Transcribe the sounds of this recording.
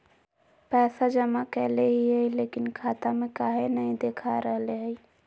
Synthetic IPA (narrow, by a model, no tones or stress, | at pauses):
pɛːsad͡ʒəmakɛːleɦiɦəjleːkinkʰaːt̪amẽkaːɦenəĩd̪eːkʰaɾəɦleɦə